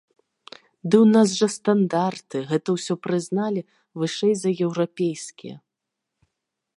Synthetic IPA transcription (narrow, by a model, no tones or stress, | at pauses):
d̪ɨwnaz̬ʐɐst̪and̪art̪ɨɣɛt̪ɐwsʲɔpɾɨznalʲi | vɨʂɛjzɐjɛwɾapʲejskʲijɐ̰